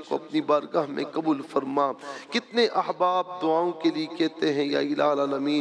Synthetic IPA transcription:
koɐpnibaːɾɡaːɦmḛ̃kɐbuːlfɐɾmakɪt̪neʔɐɦbaːb̚d̪ʊaːõkeliekɛɦt̪eɦɛ̃ja̰ɪlaːlaːlɐmĩː

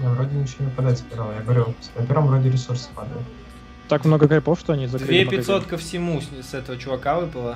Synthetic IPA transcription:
javɾodʲɪnʲɪt͡ɕʲonəpɐd̪atʲsʲpʲɪd̪alˠjaɡəvɐɾʲunɐpʲeɾvə̃mvɾo̞dʲɪɾʲɪsursɨ̥pad̪əjʊt̪ | t̪akmnoɡəɡɐɾʲpofʂt̪oɐnʲizɐkdɾɨvempʲɪsot̪kəfsʲɪmusɛt̪əvət͡ɕʊvɐkavɨpəlˠə

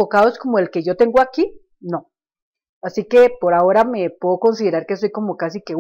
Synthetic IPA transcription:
okaðoesko̞mo̞elke̞ʝo̞t̪eŋɡoaki | nõ | asike̞poɾao̞ɾamepweɣoko̞ns̬iðeɾaɾke̞so̞jko̞mo̞kasike

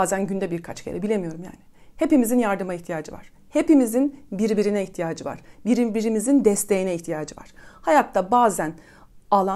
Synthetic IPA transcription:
aːzænɟynd̪ɛbiɾkʰat͡ʃcʰeɾɛbilʲe̞mijo̞ɾumja̰ːnɪhe̞pimizinjaɾd̪ɯmaiçt̪ʰijaːd͡ʒɯva̰ɾ̥ | he̞pimizinbiɾbiɾinɛiçt̪ʰijaːd͡ʒɯva̰ɾ̥biɾbiɾimizind̪ɛst̪ʰe̞jinɛiçt̪ʰijaːd͡ʒɯva̰ɾ̥hajat̪t̪ːabaːzæn | alˠa

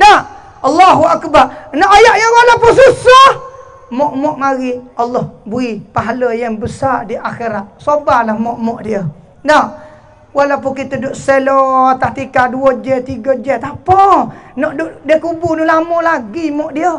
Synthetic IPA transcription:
na | ɑlːɑɦuakbarnɔʔajaʔjawalapʊnsusah | mɔʔmɔʔmaɣialːɔhbuipaɦaləjaŋbəsardiʔaxiɾat̪̚sobahlahmɔʔmɔʔdiə | na | walawpʊkit̪ədʊʔselot̪aht̪ikaduəd͡ʒɛt̪iɡəd͡ʒɛt̪apənɔʔdʊʔdiəkubunulaməlaɡimɔʔdiə

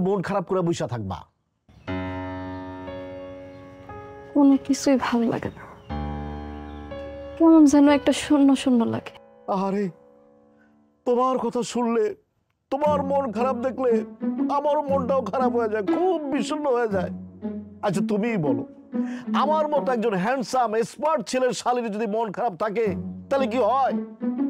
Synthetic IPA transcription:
monkʰaɾab̚koɾabujʃat̪ʰak̚ba̰ | onekisʰujbʱabla̰ɡḛna | kɔmamzɛnoɛk̚ʈaʃunːoʃunːola̰ɡe̥ | aɾe | t̪omaɾkɔt̪ʰaʃunle | t̪omaɾmonkʰaɾab̚d̪ekʰleamaɾomonʈaokʰaɾabɦojed͡ʑaekʰubːiʃunːoɦojed͡ʑaeat͡ɕʰat̪umibɔlo̰ | amaɾmɔt̪oɛk̚d͡ʑonɦɛɳɖsamespaɾʈ̚t͡ɕʰileɾʃaliɾid͡ʑod̪imonkʰaɾab̚t̪ʰak̬et̪ajlek̬iɦɔe

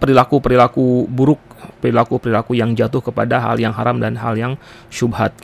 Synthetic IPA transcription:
pəɾilakupəɾilakubuɾʊk̚pəɾilakupəɾilakujaŋd͡ʒat̪ʊhkəpadaɦa̰ljaŋɦaɾamdanɦa̰ljaŋ | ʃubɦat̪̚

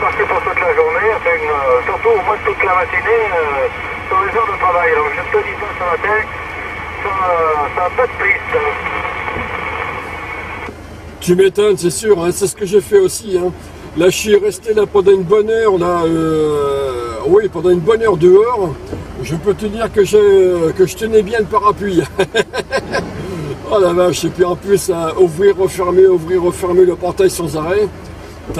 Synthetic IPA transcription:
paʁkəpuʁt̪ut̪laʒuʁneãfɛ̃køsyʁt̪uomwɛ̃t̪ut̪lamat̪ineø | sɔʁlezɔʁd̪ət̪χavajlɔ̃ʒɛmsod̪isɔ̃saat̪ɛ | sasaːpad̪əplist̪ | t̪ymet̪ɔnsɛsyːʁɛ̃sɛsə̥kəʒefɛosiɛ̃ | laʒəsɥiʁɛst̪elapɑ̃d̪ɑ̃ynbɔnœʁlaø | wipɑ̃d̪ɑ̃ynbɔnœʁd̪əɔʁʒəpøt̪əd̪iʁkəʒəkəʒət̪ənɛbjɛ̃ləpaʁapɥi | ɔlavaʒepyɑ̃plysauvʁiʁːəfɛʁmeuvʁiʁːəfɛʁmeləpɔʁt̪ajsɑ̃zaʁɛ | t̪

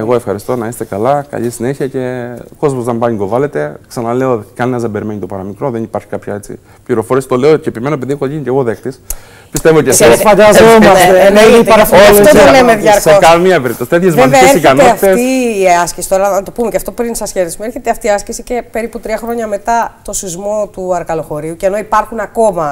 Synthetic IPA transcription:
eɣo̞e̞fxɐɾist̪o̞nɐist̪e̞kɐlɐkɐ̰ʎisine̞çiɐce̞ko̞zmozðembɐɲiɡo̞vɐle̞t̪e̞ksɐnɐle̞ot̪ikɐninɐzðebe̞ɾime̞ɲit̪o̞pɐɾɐmikɾo̞ðenipɐɾçi̥kɐpçɐ̰et͡sḭ | pʎiɾo̞foɾesi̥t̪o̞le̞oceepimenoep̬eðiexoʝiɲiceɣoðe̞kt̪is | pist̪evocesfɐd̪ɐzomɐseenoitpɐɾɐoloolemeðʝɐɾksekɐmiɐpeɾipt̪osi̥t̪t̪çezmɐseesɾiçkeɐneɐfit̪esiːɐscesi̥t̪o̞ɾɐnɐt̪o̞pumecɐft̪o̞pɾinsɐsçeðismue̞ɾçet̪eɐft̪iɐscesice̞pe̞ɾiput̪ɾiɐxɾoɲɐme̞t̪ɐt̪o̞sizmo̞t̪uɐɾkɐlo̞xo̞ɾiuceno̞ipɐɾxunɐko̞mɐ

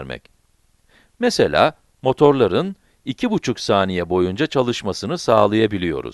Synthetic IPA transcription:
ɾmɛ̰c | meselʲa̰ː | mo̞t̪ʰo̞ɾlˠaɾɯn | icʰibut͡ʃʰuksaːnijɛbo̞jund͡ʒat͡ʃʰalˠɯʃmasɯnɯsaːlˠajabilʲijo̞̰ɾṵz̥

